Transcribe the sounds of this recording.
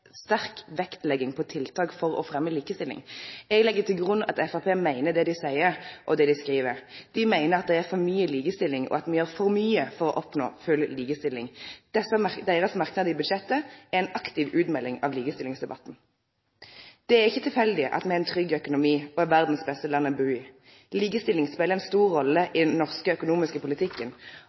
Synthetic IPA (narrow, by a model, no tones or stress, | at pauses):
st̪æʁkʋɛkt̪lɛɡːɪŋpʰɔt̪ʰɪlt̪ʰɑːkfɔʁɔ̰fʁɛmːəliːkəst̪ɪlɪ̰ŋɛɡlɛɡːət̪ɪlɡʁʉnɑ̰t̪ɛfɑpʰeːmæɪnəd̪ɛd̪ɪsæɪəɾʔɔd̪ɛd̪ɪskʁiːʋəʁd̪̥ɪmæɪnəɾɑt̪̚d̪ɛæʁfɔʁmyːəliːkəst̪ɪlːɪŋɔ̰ɑt̪mɛjøːʁfɔɾmyːəfɔʁɔ̰ʔɔpno̰ːfʉlliːkəst̪ɪlːɪ̰ŋd̪̥ɛsəd̪æɪʁəsmɑʁknɑd̪əɪbʉd̪ʃɛt̪ːəæɛɪnɑkt̪ɪʋʉːd̪mɛlːɪŋɑ̰ʋliːɡəst̪ɪlɪŋsd̪ɛbɑ̰t̪ːn̩ | d̪̥ɛæʁɪçːət̪ʰɪlfɛld̪ɪʔɑ̰t̪mɛɛæɪnt̪ʰʁʏɡːœkʊnʊmiːɔɛʋæʁd̪n̩sbɛst̪əlɑnːəbʉːɪ | liːɡəst̪ɪlɪŋspeːləʁɛnst̪uːʁːɔlːəʔɪd̪ɛnːɔʁskəœkʊnuːmɪskəpʊlɪt̪ʰɪkːən